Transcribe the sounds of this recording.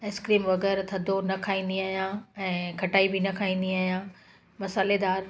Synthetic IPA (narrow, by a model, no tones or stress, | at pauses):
eskɾiːmʋɐɣɛːɾt̪ʰɐd̪ʱonɐkʰaːĩːnd̪iaːɦijãɛ̃ːkʰɐʈaːibɪnɐkʰaːĩːn̆d̪iaːɦjãː | mɐsaːled̪aːɾ